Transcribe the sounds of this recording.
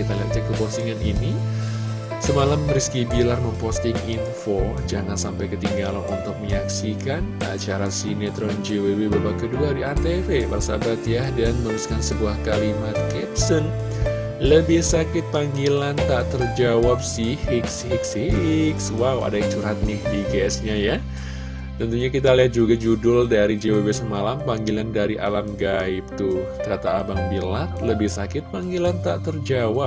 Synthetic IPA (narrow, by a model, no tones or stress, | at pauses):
it̪ala̰ʔ̚t̪ikəpɔst̪iŋanini | səmalamɾiskibilarməmpɔst̪ɪŋinfod͡ʒaŋansampajkət̪iŋɡalanunt̪ʊk̚məɲaksikana̰t͡ʃaɾasinet̪ɾɔnd͡ʒewewebabakəduadiat̪eɾebasabat̪jadanməɾuskansəbuahkalimat̪̚kɛpsən | ləbɪhsakɪt̪̚paŋɡilant̪aʔt̪ərd͡ʒawap̚sihɪk̚siɦɪk̚sikswawa̰dajkt͡ʃuɾɦat̪̚nɪhdiɡɛɛsɲaja | t̪ənt̪uɲakit̪aliɦat̪̚d͡ʒuɡad͡ʒudʊldaɾid͡ʒewebesəmalampaŋɡilandaɾiʔa̰lamɡaɪp̚t̪ut̪əɾat̪aːbaŋbilat̪̚ləbɪhsakɪt̪̚paŋɡilant̪aʔt̪ərd͡ʒawa